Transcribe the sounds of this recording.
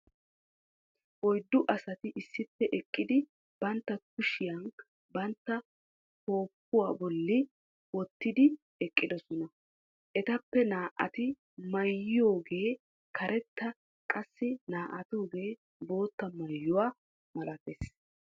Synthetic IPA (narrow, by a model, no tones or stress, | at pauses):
ʔɔjd̪ːʊʔɐsɐt̪ɪʔɪsːɪpːɛʔɛkʼːɪd̪ɪ | b̥ɐnt̪ːɐkʊʃɪjɐn | bɐnt̪ːɐ | ko̞ːpːʊwaːbɔlːɪ | wɔt̪ːɪd̪ɪ | ɛkʼːɪd̪ɔsɔnɐ | ʔɛt̪ɐpːɛnaːʔɐ̰t̪ɪ | mɐjːɪjo̞ːɡeː | kʰɐɾʔɛt̪ːɐ | kʼɐsːɪnaːʔɐt̪oːɡe̞ː | bo̞ːt̪ːɐmɐjːʊwaː | mɐlɐt̪eːs